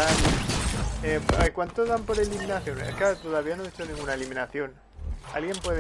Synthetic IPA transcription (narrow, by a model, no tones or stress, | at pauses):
al | epakwant̪oðampo̞ɾe̞liminaθjo̞neskat̪oðaβianoet͡ʃonĩŋɡunaeliminaθjo̞n | a̰lɣje̞mpwe̞ðe